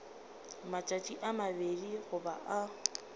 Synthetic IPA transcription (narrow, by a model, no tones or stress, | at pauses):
mat͡ʃʼat͡ʃʼiʔamabediɣʊba̰ʔa